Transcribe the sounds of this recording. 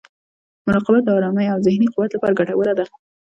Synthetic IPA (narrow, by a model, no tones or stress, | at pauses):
mʊɾɑqɪbat̪ɑɾɑmajawzɪhniqʊwat̪lapɑɾaɡaʈawəlad̪a